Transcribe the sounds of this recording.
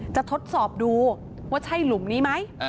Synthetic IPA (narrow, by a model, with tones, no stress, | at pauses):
t͡ɕa˨˩ʔt̪ʰo˦˥t̪̚sɔː˨˩p̚duː˧ | waː˥˩t͡ɕʰa˥˩jlu˨˩˦mniː˦˥ma˦˥j